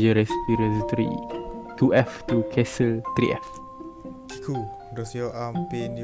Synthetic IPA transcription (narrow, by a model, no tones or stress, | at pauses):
d͡ʒəɾɛspiɾə̃st̪ɾḭk̪uʔɛft̪ukʰɛsəlt̪ɾḭʔɛf | k̪ʰikʰu | dosioʔampeni